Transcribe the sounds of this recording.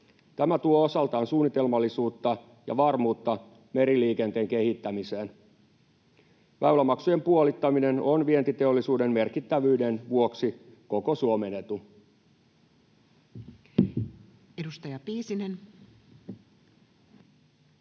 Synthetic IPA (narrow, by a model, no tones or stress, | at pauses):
t̪æmæt̪uoosɑlt̪ɑːnsuːnːit̪e̞lmɑlːisuːt̪ːɑ | jɑ̰ʋɑrmuːt̪ːɑ | me̞ɾiliːke̞nt̪eːŋke̞hit̪ːæmiseːn | ʋæylæmɑksuje̞mpuolit̪ːɑmine̞nonʋie̞nt̪it̪e̞o̞lːisuːde̞mme̞rkit̪ːæʋyːde̞nʋuo̞ksiko̞ko̞suo̞me̞net̪u | edust̪ɑjɑpiːsinen